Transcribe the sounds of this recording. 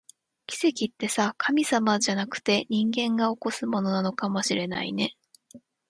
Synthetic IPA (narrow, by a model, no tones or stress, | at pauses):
kʲi̥se̞kʲit̪ːe̞sakʰamʲisamad͡ʑanakɯ̟̥t̪e̞ɲ̟ĩŋɡẽ̞ŋɡao̞ko̞sɨmo̞no̞nano̞kamo̞ɕiɾe̞na̰ḭne̞